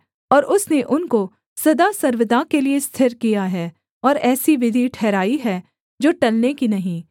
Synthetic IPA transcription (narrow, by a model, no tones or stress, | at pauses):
ɔːɾʔʊsneʔʊnko | sɐd̪asɐɾʋɪd̪akeliest̪ʰɪɾkijaɦɛː | ɔːɾɛːsiʋɪd̪ʱiʈʰɛːɾaːiɦɛ | d͡ʒoːʈɐlnekinɐɦĩː